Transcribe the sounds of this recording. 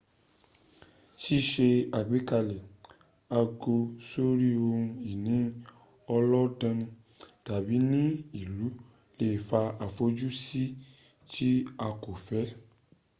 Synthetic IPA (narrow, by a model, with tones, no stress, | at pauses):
ti˦ʃe˧a˨ɡ͡bi˨˦ka˧lɛ˨ | a˧ɡo˧so˦ɾi˦o˧ũ˧i˨nĩ˨˦ | ɔ˧lɔ˦dã˧nĩ˧ | ta˨bi˨˦nĩ˦i˨lu˨˦ | le˦˨fa˧a˨fo˨˦d͡ʒu˦si˦ | ti˦a˧ko˨fɛ˨˦